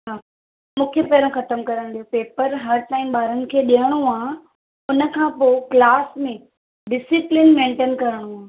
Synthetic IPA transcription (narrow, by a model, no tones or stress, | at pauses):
ɦaː | mũːkʰepeːɾə̃xɐt̪əmkɐɾə̃nd̪iopeːpəɾɦɐɾt̪aːimɓaːɾənɪ̆kʰeːɗiəɽ̃oaː | ʊnə̆kʰãːpoːklaːsmẽ | ɖɪsɪplɪnmẽːɳʈeːnkɐɾəɽ̃oaː